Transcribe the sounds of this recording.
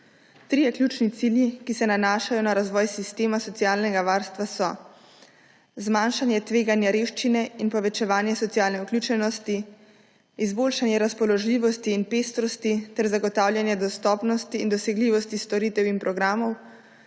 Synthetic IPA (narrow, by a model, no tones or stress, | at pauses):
t̪ɾijɛklʲjuːt͡ʃnit̪siljikisɛnanaːʃajɔnaɾazʋɔːjsist̪eːmasɔt̪sijaːlnɛɡaʋaːɾst̪ʋasɔ | zmaːnʃanjɛt̪ʋeːɡanjaɾewʃt͡ʃinɛinpɔʋɛt͡ʃɛʋaːnjɛsɔt̪sijaːlnɛuklʲuːt͡ʃɛnɔst̪i | izboːlʃanjɛɾaspɔlɔʒliːʋɔst̪iːnpeːst̪ɾɔst̪it̪ɛɾzaɡɔt̪aːwlʲjanjɛd̪ɔst̪ɔːpnɔst̪iːnd̪ɔsɛɡliːʋɔst̪ist̪ɔɾiːt̪ɛwinpɾɔɡɾaːmɔw